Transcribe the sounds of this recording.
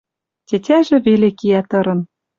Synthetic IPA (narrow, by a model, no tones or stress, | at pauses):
tʲetʲæʒĕβelekijæt̪ɤ̆ɾɤ̆n